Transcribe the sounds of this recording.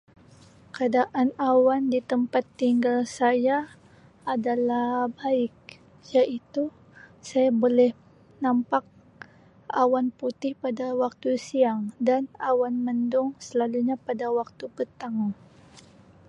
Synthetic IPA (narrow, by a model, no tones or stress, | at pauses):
kadaʔanawandit̪əmpat̪ːiŋɡalsajaː | dalahhbaɪk̚ | jaʔit̪u | sajabolɛh | nampak̚ | ʔa̰wanput̪ɪhpadawak̚t̪usiaŋdanawanməndʊŋsəlaluɲapadawak̚t̪upət̪aŋ